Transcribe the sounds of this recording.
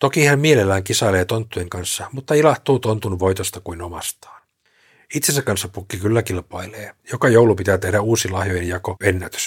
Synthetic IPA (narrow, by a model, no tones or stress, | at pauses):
t̪okihæmmielelːæːŋkisɑileːt̪ont̪ːujeŋkɑnsːɑmut̪ːɑilɑht̪uːt̪ont̪unʋo̞it̪ost̪ɑkuinomɑ̰st̪ɑ̥ːn | it̪sensækɑnsːɑppukːikylːækilpɑileːjokɑjowlupit̪æːt̪ehɾæuːsilɑhjojejɑkoenːæt̪ø̥s